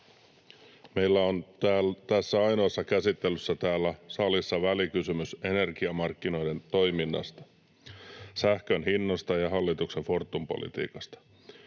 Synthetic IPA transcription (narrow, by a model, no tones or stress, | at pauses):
me̞jlːæo̞næt̪æsːæɑjno̞ːsːɑkæsit̪ːelːysːæt̪æːlːæsɑlisːɑʋælikysymyse̞ne̞rɡ̥iɑmɑrkːino̞jde̞nt̪o̞jminːɑ̰st̪ɑ̥ | sæhkønɦinːost̪ɑjɑɦɑlːit̪ukseɱfo̞rt̪ːumpo̞̰lḭt̪ḭːkɑst̪ɑ̥